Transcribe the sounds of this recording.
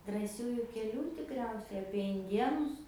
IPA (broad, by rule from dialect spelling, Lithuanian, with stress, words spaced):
drɑːˈsʲuːjʊ kʲɛˈlʲuː tʲɪkˈrʲɛʊsʲɛɪ ɐpʲiɛ ɪnʲˈdʲiɛnʊs